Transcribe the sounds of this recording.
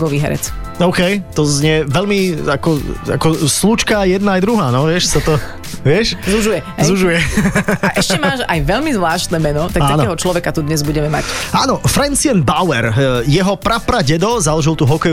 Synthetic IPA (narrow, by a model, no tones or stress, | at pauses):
ɡɔʋiːɦɛ̰ɾɛ̰t͡s | ɔʊkɛjt̪ɔzɲɛʋɛʎmiakɔa̰kɔslut͡ʃkajɛd̪̚naːjd̪ɾuɦaːnɔʋɪɛʃsat̪ɔ | ʋɪɛʃzuʒujɛzuʒujɛʔɛʃcɛmaːʃa̰jʋɛʎmizʋlaːʃt̪nɛːmɛnɔt̪ak̚aaːnɔɛɦɔt͡ʃlɔʋɛkat̪ud̪ɲɛzbuɟɛmɛma̰caːnɔfɾɛnt͡siɛnbaʊɛɾjɛɦɔpɾapɾaɟɛd̪ɔzalɔʒilt̪uːɦɔkɛu